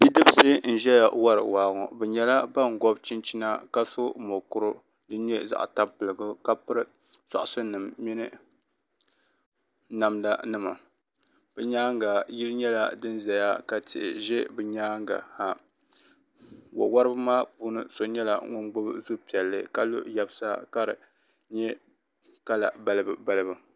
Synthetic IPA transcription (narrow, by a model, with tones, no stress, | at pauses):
bi˦dɨ˦bɨ˦sɨ˦n̩˨ʒɛ˦ja˨wa˦ɾɨ̰˨waː˨˦˨ŋɔ̰˨bɛ˨ɲɛ˦la˦ba˦˨ŋ˨ɡɔ˦bt͡ʃi˦nt͡ʃi˦na˦ka˦so˦mo˨kʊ˦ɾʊ˦ | dɨ˦ɲɛ˦za̰˨ʔta˦pɨ˨lɨ˨ɡʊ˦ka˦pɨ˦ɾɨ˦ | sa̰˨ʔʊ˨sɨ˦nɨ˨mːi˦nɨ˦ | na˨mda˦nɨ˦ma̰˨ | b̥ɛ˦ɲaː˦ŋɡa˨ji˦lɲɛ˦la˦dɨ˦n˦zɛ˨ja˦ka˨tʰɪ˨ʔɪ˨ʒɛ˦bɨ˨ɲaː˦ŋɡa̰˨ha˨ | wa̰˨wa˦ɾɨ˦bɨ˦maː˦puː˦nɨ˦so˨ɲɛ˦la̰˨ŋʊ˦nɡ͡bʊ˦bzu˦pi˨ɛ˨lːɨ˦ka˦lo̰˦ja˦bsa˦ka˦ɾɨ̰˨ | ɲɛ˦ | ka˦la̰˨ba˦˨lɨ˦bɨ˨ba˦lɨ˦bɨ˨